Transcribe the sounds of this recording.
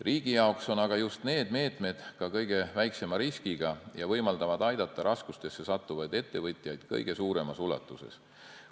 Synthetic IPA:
riːɡ̥ijɑokso̞nɑɡ̥ɑjust̪ne̞ːd̪̥me̞ːt̪ˑme̞d̪̥kɑkɤjɡe̞væjkse̞mɑɾiskiɡ̥ɑjɑvɤjmɑld̪̥ɑvɑd̪̥ɑjd̪̥ɑt̪ˑːɑɾʔɑskust̪e̞sːe̞sɑt̪ˑːuvɑjd̪e̞t̪ːe̞vɤt̪ʲˑjɑjd̪̥kɤ̰jɡ̥e̞suːɾe̞mɑsulɑ̰t̪ːˑuse̞̰s

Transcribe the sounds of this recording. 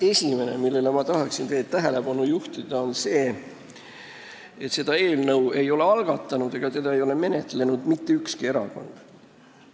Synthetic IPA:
e̞sʲime̞nemilːe̞lemɑt̪ɑɦɑksint̪e̞ːd̪̥̚t̪ːæɦe̞le̞b̥ɑnujuht̪id̪̥ɑo̞nse̞ː | et̪se̞d̪̥ɑe̞ːlnɤwe̞jo̞le̞ɑlɡ̥ɑt̪ːˑɑnud̪̥e̞ɡ̥ɑt̪e̞d̪ɑejo̞le̞me̞ne̞t̪ːˑle̞nud̪̥mit̪ːeykskie̞ɾɑ̰ko̞̰nd̪̥

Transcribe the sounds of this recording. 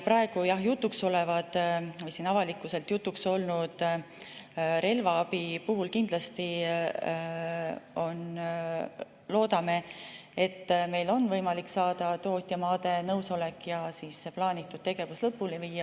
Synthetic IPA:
pɾɑe̞ɡ̥ujɑhjut̪ːˑukso̞le̞vɑd̪̥vɤjsiːnɑvɑlikːˑuse̞lt̪jut̪ːˑukso̞lnud̪̥ | ɾe̞lvɑɑbipuɦulkind̪̥lɑst̪i | o̞n | lo̞ːd̪ɑme̞et̪ːme̞jlo̞nːvɤjmɑlikːsɑːd̪̥ɑt̪o̞ːt̪ʲːˑjɑmɑːd̪e̞nɤwso̞le̞kːˑjɑsiːsːeplɑːnʲit̪ːˑud̪̥t̪e̞ɡ̥e̞vuslɤpːuliviːɑ

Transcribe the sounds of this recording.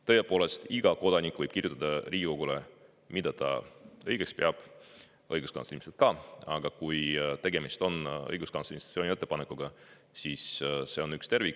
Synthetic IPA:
t̪ɤjepo̞ːle̞st̪iɡ̥ɑko̞d̪ɑnikːˑvɤjb̥kirjut̪ːˑɑd̪ɑriːɡ̥ʲiko̞ɡ̥ule̞ | mid̪ɑt̪ɑ̰ɤjɡe̞kspeɑb̥ | ɤjɡ̥uskɑ̰nsolʲimset̪̚kɑɑ̰ɡ̥ɑkujt̪e̞ɡe̞mist̪o̞nɤ̰jɡuskɑnslinssonie̞t̪ːe̞pɑnekːuɡ̥ɑ | siːssːe̞o̞nykst̪e̞rvik

